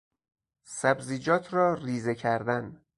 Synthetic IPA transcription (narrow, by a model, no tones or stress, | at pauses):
sæbziːd͡ʒɒːt̪ʰɾɒːriːzecʰæɾd̪æn